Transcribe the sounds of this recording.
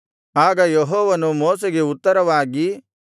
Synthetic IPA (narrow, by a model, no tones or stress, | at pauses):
aːɡɐjeɦɔːʋɐnumɔːseɡe̞ut̪ːɐɾɐʋaːɡi